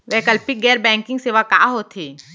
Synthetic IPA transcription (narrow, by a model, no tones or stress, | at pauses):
ʋɛkəlpɪɡɛːɾbɛ̃ːŋkɪ̃ŋɡseːʋaka̰ːɦoːt̪ʰeː